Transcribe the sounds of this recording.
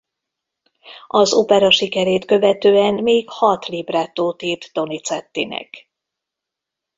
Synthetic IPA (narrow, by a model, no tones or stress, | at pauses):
ʔɒzopɛɾɒʃikɛɾeːt̪kø̞vɛt̪øːɛnmeːkhɒt̪libraːt̪ːoːt̪iːrt̪ːo̞nit̪sɛt̪ːinɛ̰k